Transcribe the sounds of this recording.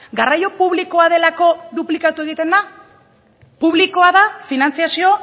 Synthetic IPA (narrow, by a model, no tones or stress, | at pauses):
ɡarajo̞puβliko̞að̞e̞lako̞ðuplikat̪ue̞ɣ̞it̪e̞nd̪a | puβliko̞aðafinant͡siasio̞